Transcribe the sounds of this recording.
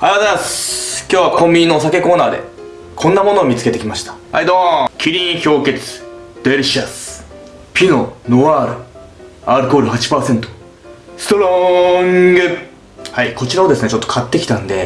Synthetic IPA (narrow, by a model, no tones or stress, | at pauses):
ajat̪easkʲoːβakʰõ̞mʲbʲinːo̞ːs̬ake̞ko̞ːnaːd̪e̞̰ | kʰõ̞nːamo̞no̞ːmʲit͡sɨ̥ket̪e̞kʲimaɕi̥t̪ḁ | a̰id̪õkʲiɾʲĩɰçʲo̞ːke̞t͡sɨ̥d̪̥eɾɯɕasɨ̥ | pʲino̞noβaːɾɯ̟ | aɾɯ̟ko̞ːɾɯ̟hat͡ɕi̥paːsẽ̞nt̪o̞̥ | sɨ̥t̪oɾoŋɡɯ | haiko̞t͡ɕiɾaod̪e̞sɨne̞t͡ɕo̞t̪ːo̞kʰat̪ːe̞kʲi̥t̪ãnd̪e̞